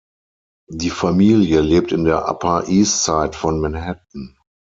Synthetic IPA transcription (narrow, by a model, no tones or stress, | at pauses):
diːfamiːljəleːp̚tɪndeːɐʔa̰pʰaʔiːst͡saɪtfɔnmɛnhɛt̚n̩